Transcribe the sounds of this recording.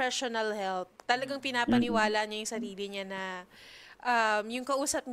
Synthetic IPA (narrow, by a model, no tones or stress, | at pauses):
ɛʃonɐlhɛlp̚t̪ɐlɐɡaŋpɪnaːpɐnɪwaːlaʔɲɐjʊŋsɐɾiːlɪɲanɐ | ʔɐmjʊŋkɐʔuːsɐp̚ɲ